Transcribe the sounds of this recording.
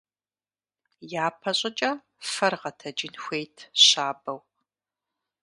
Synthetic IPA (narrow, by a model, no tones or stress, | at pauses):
jaːpʰɐɕʼɪt͡ʃʼɐ | fɐrʁɐtʰɐd͡ʒɪnxʷejtʰɕaːbɐw